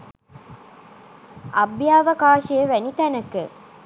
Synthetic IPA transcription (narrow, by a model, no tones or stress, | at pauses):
ɐbjaːʋəkaːʃejəʋænit̪ænəkə